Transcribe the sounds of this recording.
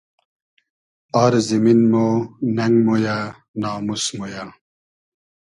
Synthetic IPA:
aɾziminmonɐŋɡmoja | naːmusmoja

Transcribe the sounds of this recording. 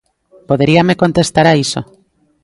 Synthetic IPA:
poðeɾiamekont̪est̪aɾaiso̰

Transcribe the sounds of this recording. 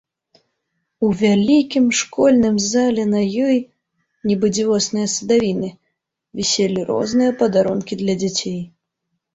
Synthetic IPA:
uvʲalʲikʲimʂkɔlʲnɨmzalʲɛnɐjɔj | nʲibɨd͡zʲivɔsnɨjɐsɨd̪avʲinɨ | vʲisʲelʲiɾɔ̰znɨjɐpɐd̪aɾɔnkʲid̪lʲɐd͡zʲat͡sʲej

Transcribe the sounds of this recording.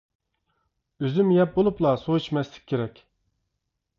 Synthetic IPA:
øzymjɛp̚bolˠuplˠɑsoit͡ʃmɛslɪ̥k̚ʲʰːeɾɛkʲ

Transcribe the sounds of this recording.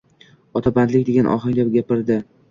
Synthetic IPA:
ɒt̪ʰaband̪lɪkʲd̪eɡʲanʔɒ̰χɑŋlʲap̚ɡʲapɪɾd̪ɪ

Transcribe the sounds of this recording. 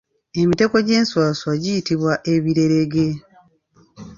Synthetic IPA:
e̞mite̞ko̞ɟe̞ːnswaːswaɟijitiβwaʔe̞βiɾe̞ɾe̞ɡe̞

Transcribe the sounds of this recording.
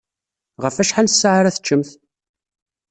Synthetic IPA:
ʁəfæʃħalsːaʕaɾæθə̥t͡ʃːəmθ

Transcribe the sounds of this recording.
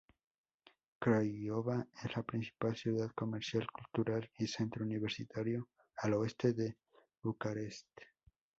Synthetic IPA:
kɾajoβaeslapɾinsi̥palsjuðaðko̞meɾsjalkult̪uɾalisent̪ɾouniβeɾsit̪ʰaɾjo̞ | aloest̪e̞ðe | βukaɾe̞st̪

